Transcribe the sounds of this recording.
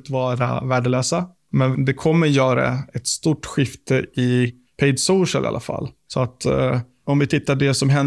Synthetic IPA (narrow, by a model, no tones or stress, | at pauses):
t̪vɑːɾa̰væːɖəløːsa | mɛnd̪ɛkʰɔmːəɾjœːɾa̰ɛt̪st̪uʈːɧɪft̪ʰəɪ | pʰɛɪd̪soʊʂalɪ̰a̰la̰fa̰lːsɔat̪ | ɔmvɪt̪ʰɪt̪ːaɖɛsɔmɦɛn